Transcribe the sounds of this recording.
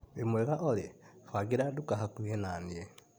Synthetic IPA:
imweɣaʔolefwaɡiɾadukaɦakuenanie

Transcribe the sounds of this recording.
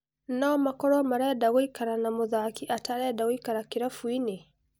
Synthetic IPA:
naɔmakɔɾɔmaɾɛdaɣɔikaɾanamoðakiʔataɾɛdawikaɾakiɾafwine

